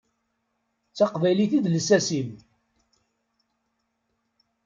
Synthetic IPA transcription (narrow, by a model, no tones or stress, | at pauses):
t͡sːɑqvæjliθiðləsæsim